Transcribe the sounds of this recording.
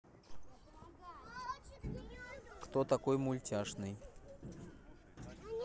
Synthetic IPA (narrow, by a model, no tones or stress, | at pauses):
kt̪ot̪ɐkojmʊlʲtʲaʂnɨj